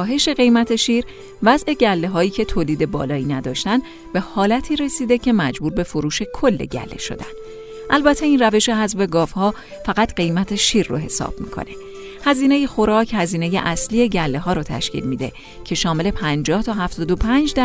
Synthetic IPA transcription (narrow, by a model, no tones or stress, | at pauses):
ɦe̞ʃe̞ɣe̞jmæt̪ʰe̞ʃiːɾ | væzʔe̞ɟælːeɦɒːiːcʰe̞t̪ʰoːliːd̪e̞bɒ̰ːlɒːiːnæd̪ɒːʃt̪æn | b̥e̞hɒːlæt̪ʰiːɾe̞siːd̪e̞cʰe̞mæd͡ʒbuːɾbe̞foɾuːʃe̞kʰo̞lːe̞̰ɟæ̰lːe̞̰ʃo̞̰d̪æ̰n̥ | ʔælbæt̪ʰe̞inræve̞ʃeɦæzbe̞ɡɒːvhɒː | fæɣæt̪ɢe̞jmæt̪ʰe̞ʃiːɾːo̰ɦe̞sɒ̰ːb̥̚mḭːkʰo̰ne̞ | hæziːne̞jexo̞ɾɒːcʰhæziːne̞je̞̰ʔæslie̞ɟælːe̞ɦɒːɾɔːt̪ʰæ̰ʃcḭːlmiːd̪e̞̰ | cʰe̞ʃɒːme̞le̞pʰænd͡ʒɒːht̪ʰɒːɦæft̪ɒːd̪opʰænd͡ʒd̪æ